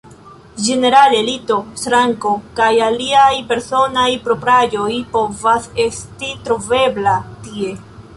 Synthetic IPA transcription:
d͡ʒe̞ne̞ɾalelito̞sɾaŋko̞kajaliajpe̞ɾso̞najpɾo̞pɾajo̞jpo̞vase̞stitɾove̞blatie̞

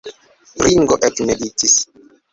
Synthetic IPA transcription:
ɾiŋɡoʔekmelitis

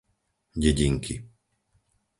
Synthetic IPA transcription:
ɟɛɟiŋkʰi

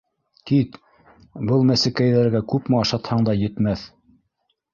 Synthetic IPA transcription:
kit̪ | bɤlˠmæsɘ̆kæjðæɾɡækʉpmɘɑʃɑt̪hɑɴd̪ɑjɘ̆t̪mæθ

